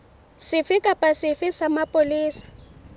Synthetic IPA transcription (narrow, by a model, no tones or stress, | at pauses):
sɪfɪkʼapʼasɪfɪsamapʼoliːsḁ